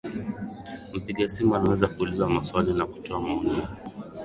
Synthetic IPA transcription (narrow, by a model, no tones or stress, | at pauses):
m̩piɠasimuanawɛzakuːlizamaswalinaku̥tɔamaɔnia